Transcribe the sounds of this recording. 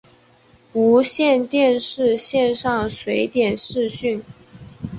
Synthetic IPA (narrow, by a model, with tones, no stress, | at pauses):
u˧˥ɕjɛ˥˧nt̪jɛ˥˧nʂɻ̩˥˧ɕjɛ˥˧nʂɑ˥˩ŋswe˧˥ɪt̪jɛ˨˩nʂɻ̩˥˧ɕy˥˩n